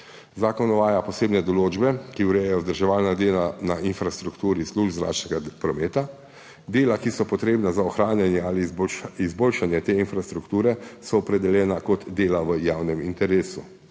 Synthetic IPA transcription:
zaːkɔnɔʋaːjapɔseːbnɛd̪ɔloːd͡ʒbɛkiuwɾɛjɛjɔzd̪əɾʒɛʋaːlnad̪eːlanainfɾast̪ɾukt̪uːɾisluːʒbzɾa̰ːt͡ʃnɛɡapɾɔmeːt̪a | d̪eːlakisɔpɔt̪ɾeːbnazaɔxɾaːnjanjɛaːlibizboːlʃanjɛt̪eːinfɾast̪ɾukt̪uːɾɛsɔːpɾɛd̪ɛljɛːnakɔt̪d̪eːlaʋəjaːwnɛmint̪ɛɾeːsu

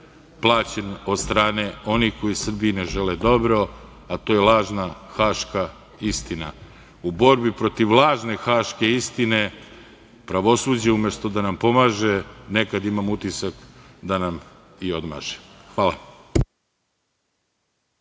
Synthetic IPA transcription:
plˠaːt͡ɕeno̞d̪st̪ɾaːne̞o̞nixko̞jisr̩biineʒeled̪o̞bɾo̞ | at̪o̞ːjelˠaːʒnaxaːʃka | ist̪ina | ubo̞ɾbipɾo̞t̪iʋlˠaːʒne̞xaːʃke̞ist̪ine̞ | pɾaʋo̞suːd͡ʑeumjest̪od̪anampo̞maːʒenekad̪imamut̪isakd̪anam | io̞d̪ma̰ːʒexʋaːlˠa̰

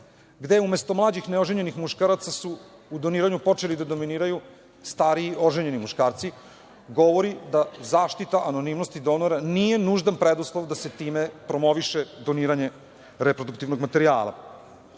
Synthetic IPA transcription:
ɡd̪eumest̪o̞mlˠaːd͡ʑixneoʒeɲe̞nixmuʃkaɾat̪sasuːd̪o̞niːɾaɲupo̞t͡ʃelid̪ad̪o̞miniːɾaju | st̪aɾiːo̞ʒeɲe̞nimuʃkaːɾt̪si | ɡo̞ʋo̞ɾid̪azaːʃt̪it̪aʔano̞nimno̞st̪id̪o̞noɾanijenuʒd̪anpɾed̪uslˠoʋd̪aset̪iːmepɾo̞mo̞ʋiʃed̪o̞niːɾaɲe̞ | ɾepɾod̪ukt̪iʋno̞ɡmat̪e̞ɾia̰ːla̰

